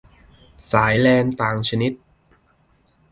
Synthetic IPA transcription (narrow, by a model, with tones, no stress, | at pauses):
saː˩˦jlɛː˧nt̪aː˨˩ŋt͡ɕʰa˧ni˦˥t̪̚